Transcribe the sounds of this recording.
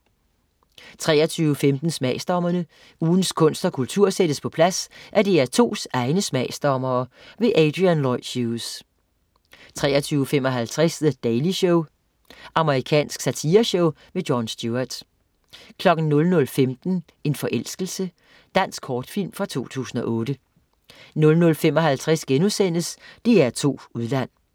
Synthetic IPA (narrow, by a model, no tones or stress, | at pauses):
t͡sʰʁɛ̰ːɐt͡sʰyːʊəfemd̥n̩smɛɪsd̥ɒmɐnə | uːn̩skʰɔ̽n̰sd̥ɐkʰult͡sʰuɐ̰sed̥əspʰɒ̽pʰlæsʔæɐd̥e̝æɐt͡sʰo̝̰ːsɑ̈ɪnəsmɛɪsd̥ɒmɐː | ʋe̝ʔɛd̥ʁiænlɒɪ̰̥ɕuːs | t͡sʰʁɛ̰ːɐt͡sʰyːʊəfem̰ɒ̽ɦælt͡sʰʁɛsðəd̥ɛɪliɕɔʊ | ʔɑ̈məʁikʰɛ̰ːnsɡ̥sæt͡sʰiːɐɕɔʊ | medjɒnsd̥juɐd̥ | kʰlɒ̽ɡ̥n̩nɔ̽lnɔ̽lfemd̥n̩ | e̝nfɒ̽ʔel̰sɡ̥əl̩sə | d̥æn̰sɡ̥kʰɒːd̥fil̰mfʁɑ̈t͡sʰo̝̰ːt͡sʰṵːsn̩ɒ̽ʔɔ̽ːd̥ə | nɔ̽lnɔ̽lfemɒ̽ɦælt͡sʰʁɛsɡ̥enusen̰əsd̥eæɐt͡sʰo̝̰ːuðˠlæn̰